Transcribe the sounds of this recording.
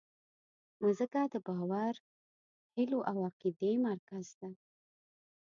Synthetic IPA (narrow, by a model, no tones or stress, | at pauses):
nozəkad̪əbɑwaɾ | hɪloʔawaqid̪emaɾkazd̪a